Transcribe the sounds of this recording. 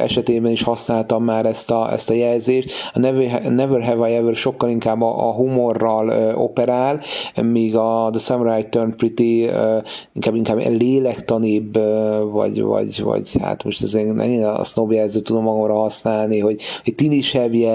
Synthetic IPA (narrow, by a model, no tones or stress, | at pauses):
ɛ̰ʃɛt̪eːbɛniʃhɒsnaːlt̪ɒmːaːɾɛst̪ɒɛ̰st̪ɒjɛlzeːʃt̪ɒnɛvnɛvørɦɛvɒjɛvørʃo̞kːɒliŋkaːbːɒʔɦumo̞rːɒløo̞̰pɛɾaːlmiːɡɒd̪əsɛmɾajt̪ːørnprit̪iøiŋkaːbːiŋkaːb̰leːlɛkt̪ɒnibvɒ̰ɟvɒ̰ɟvɒ̰ɟha̰t̪moʃt̪ɛzeːnnʔɛ̰kin̰snobjɛlzøːt̪ːud̪o̞mːɒɡomrɒɦɒsnaːlniɦo̞ɟho̞c̚t̪iniʃɛbjɛ